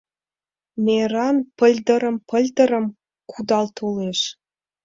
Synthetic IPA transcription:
mʲeɾɑnpə̆lʲd̪ə̆ɾə̆mpəlʲd̪ə̆ɾə̆m | kud̪ɑlt̪ʰoleʃ

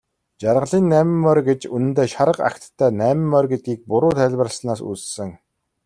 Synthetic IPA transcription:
t͡ɕaɾʁə̆ɮiːnːæːmɘmːœrɡet͡ɕunɘ̆nt̪eːʃaɾə̆qa̰kt̪ʰːæːnæːmɘ̆mːœrɡet̪̚ɡiːk̚pʊɾʊːt̪ʰæɮʲwə̆rə̆ɮsnaːsṵt͡ssɘ̆ŋ

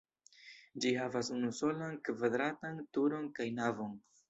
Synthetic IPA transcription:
d͡ʒiɦavasunuso̞lankvad̪ɾatantuɾo̞nkajnavo̞n

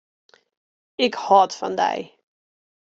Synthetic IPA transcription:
ɪkhɑtfɑ̰ndɛ̰j

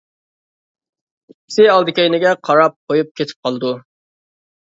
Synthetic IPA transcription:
sɪɑlˠd̪ɨkʲejnɪɡʲɛqʰɑɾɑp̚qʰojup̚kʲʰet̪ʰɪ̥p̚qʰɑlˠd̪u

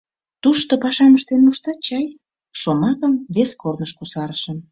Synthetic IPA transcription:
t̪uʃt̪opɑʃɑməʃt̪enmuʃt̪ɑt͡ɕɑj | ʃomɑkəmβeskornəʃkusɑɾəʃəm

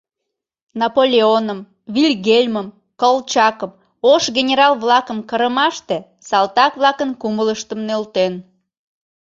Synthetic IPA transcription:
nɑpolʲeonəm | βilʲɣelʲməm | kolˠt͡ɕɑkəm | oʃɣenʲeɾɑlˠβlɑkəmkəɾəmɑʃt̪e | sɑlt̪ɑkβlɑkənkumələʃt̪əmnølt̪en

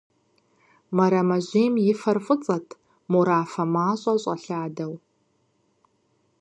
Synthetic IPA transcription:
mɐɾɐmɐʑʷeːmjɪfɐrfʼɨt͡sʼɐtʰ | muɾaːfɐmaːɕʼɐɕʷʼɐɬaːdɐw

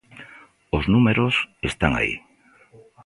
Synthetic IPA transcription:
oznumeɾosest̪aŋa̰ḭ

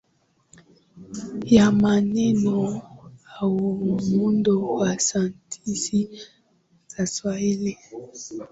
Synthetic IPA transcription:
jamanɛnɔawumundowasantʰisi | zaswaili

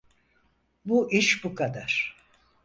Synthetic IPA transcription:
buʔiʃbukʰad̪aɾ̥

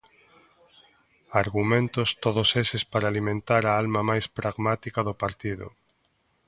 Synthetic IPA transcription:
aɾɣumẽnt̪ʊst̪oðosesɪspaɾaːlimẽnt̪aɾaalmamajspɾaɣmat̪ikaðʊpaɾt̪iðʊ̰

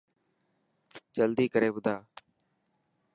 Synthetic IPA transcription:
t͡ʃəld̪iːkəɾeːbʊd̪ʱaː

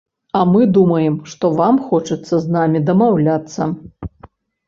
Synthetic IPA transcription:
ɐmɨd̪umɐjɛmʂt̪ɔvamxɔt͡ʂɐt̪sːɐznamʲid̪ɐmawlʲat̪sːɐ

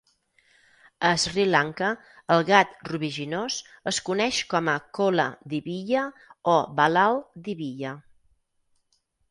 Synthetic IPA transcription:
əzrilaŋkəː | lˠɣat̪ruβiʒinosəskunɛʃkɔməkolə̰d̪iβiʎəɔβəlalˠd̪iβiʎə

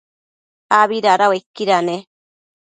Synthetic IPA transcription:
aβiɾaɾawekːiɾane

